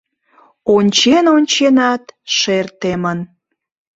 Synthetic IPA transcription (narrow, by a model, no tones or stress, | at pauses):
onʲt͡ɕenonʲt͡ɕenɑt̪ʃert̪emən